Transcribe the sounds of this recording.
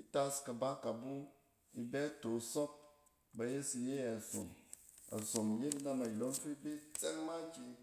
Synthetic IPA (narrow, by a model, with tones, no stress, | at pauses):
i˦ta˦ska˨ba˦ka˨bu˦ | i˦bɛ˦to˨sɔ˦p̚ | ba˧je˦si˧je˦ja˨so̰˨ma̰˨so˨mje˦tna˧ma˨i˨lo˨˦m˦fi˦bi˦t͡se˦ŋma˦t͡ʃi˧